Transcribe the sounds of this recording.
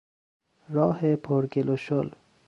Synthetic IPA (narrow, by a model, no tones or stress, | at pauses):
ɾɒːhepʰoɾɡeloʃol